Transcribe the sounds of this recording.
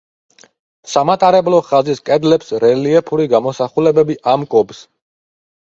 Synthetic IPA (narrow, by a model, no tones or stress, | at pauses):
samat̪ʼaɾɛblɔχaziskʼɛd̪lɛpsɾɛliɛpʰuɾiɡamɔsaχulɛbɛbiʔamkʼɔbs